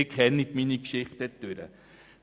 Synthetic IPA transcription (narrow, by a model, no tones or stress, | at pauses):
ɪkʰhɛnːitminikʃɪχtɛtøɾə̰